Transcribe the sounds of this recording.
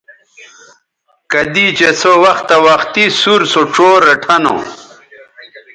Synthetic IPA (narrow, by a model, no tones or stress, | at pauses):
kɐd̪it͡ɕesowɐxt̪ɐwɐxt̪isuɾsoʈ͡ʂoːɾeʈʰɐno̰